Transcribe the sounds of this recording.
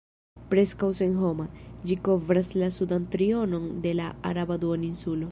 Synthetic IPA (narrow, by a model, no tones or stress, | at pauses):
pɾe̞skawsenɦo̞mad͡ʒiko̞vɾaslasudant̪ɾio̞no̞nde̞laa̰ɾabad̪uaninsulo̞